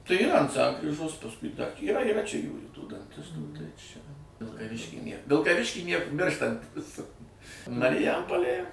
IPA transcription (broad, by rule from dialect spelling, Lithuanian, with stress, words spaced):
tɐɪ iːˈrɐ ɐnt ˈsɐŋkrʲiːʒoːs pɐsˈkʊɪ dɐ iːˈrɐ iːˈrɐ t͡ʃʲɛ ˈjuːjuː tuː dɐnʲˈtʲɪstuː tɐɪ t͡ʃʲɛ ʋʲɪlˠkɐˈʋʲɪʃʲkʲiː ˈnʲeːr ʋʲɪlˠkɐˈʋʲɪʃʲkʲiː ˈnʲiɛk ˈmʲɪrʃtɐnʲtʲɪs mɐrʲɪˈjɛmpoːlʲeːj